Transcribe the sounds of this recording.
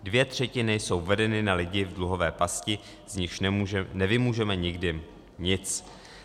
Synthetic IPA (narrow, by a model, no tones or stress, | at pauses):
dvjɛt̪r̝̥ɛcɪnɪso̞wvɛdɛnɪnalɪɟɪvdluɦo̞vɛːpascɪ | zɲɪxʃnɛvɪmuːʒɛmɛɲɪɡdɪ | ɲɪt͡s